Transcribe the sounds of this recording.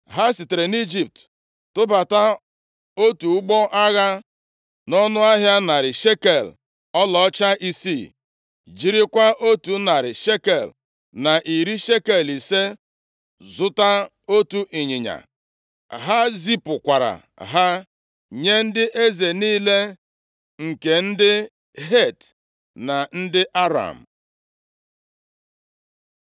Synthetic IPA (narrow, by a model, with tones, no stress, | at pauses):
ɦa˦si˨te˨ɾe˨ni˦d͡ʒi˦˨p̚t | tʊ˦ba˨ta˦ | o˦tu˨˦ɡ͡bɔ˦ʔa˦ɣa˦ | nɔ˦nʊ˦a˦ɦja˦na˨ɾɪ˨ʃe˦ke˨l | ɔ˦lɔ˨ɔ˦t͡ʃa˦ʔi˦si˦˨ | d͡ʒi˦ɾi˦kʷa˦ʔo˦tu˦na˨ɾɪ˨ʃe˦ke˨l | na˨ʔi˨ɾi˦ʃe˦ke˨li˨se˦ | zʊ˦ta˦ | o˦tu˦ʔi˨ɲɪ˨ɲa̰˨ | ɦa˦zi˦pʊ˨kʷa˨ɾa̰˨ | ɦa˦ | ɲe˦n̩˦dɪ˦ʔe˦ze˨niː˦le˦ | ŋ̩˨ke˨n̩˦dɪ˦ | ɦe˦˨t | na˨n̩˦dɪ˦ʔa˦ɾa̰˨m̩˨